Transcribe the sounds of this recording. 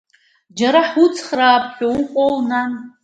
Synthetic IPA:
d͡ʒaɾaħut͡sʰχraːpʰħʲʷᶣouqʷʼolnan

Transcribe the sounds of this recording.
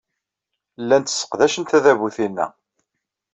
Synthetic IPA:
lːænt̪ə̥sːə̥qðæʃənt̪æðæβuθinːæ̰

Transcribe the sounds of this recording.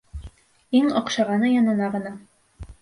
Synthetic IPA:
iŋŏqʃɑʁɑnɤjɒnɤ̆nɑʁɤ̆nɑ

